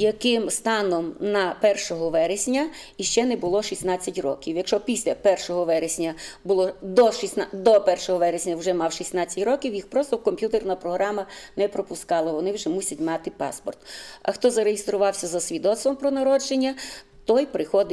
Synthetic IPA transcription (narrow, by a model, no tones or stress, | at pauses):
jɐkɪmst̪ɑnɔmnɐpɛrʃɔɦɔʋɛɾesʲnʲɐiʃt͡ʃɛnɛbʊlˠɔʃisnɑt͡sʲːɐtʲrɔ̰kʲiwjɐkʃɔpʲisʲlʲɐpɛrʃɔɦɔʋɛɾesʲnʲɐbʊlˠɔd̪ɔʃisnɑd̪ɔpɛrʃɔɦɔʋɛɾesʲnʲɐwʒɛmɑwʃisʲnɑt͡sʲːɐtʲɾɔkʲiwjixpɾɔst̪ɔwkɔmʲpʲjut̪ernɐpɾɔɦɾɑmɐnɛpɾɔpʊskɑlˠɐʋɔnɪwʒɛmusʲɐtʲmɑt̪ɪpɑ̰spɔ̰rt̪ɐxt̪ɔzɐɾeɦɪst̪ɾʊʋɑwsʲɐzɐsʲʋʲid̪ɔt̪st̪ʋɔmpɾɔnɐɾɔd͡ʒenʲːɐ | t̪ɔjpɾɪxɔd̪ɪ